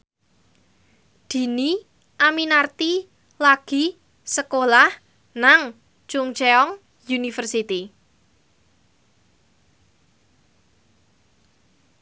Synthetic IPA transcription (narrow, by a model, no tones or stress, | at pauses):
d̪̥i̤ni | ʔaminart̪i | laɡ̥i̤ | səkolah | naŋ | t͡ʃʊŋt͡ʃeɔŋ | junifərsit̪i